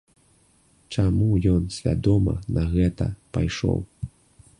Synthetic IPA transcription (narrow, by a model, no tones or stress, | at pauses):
t͡ʂamujɔnsʲvʲad̪ɔmɐ̰nɐɣɛt̪ɐpajʂɔ̰w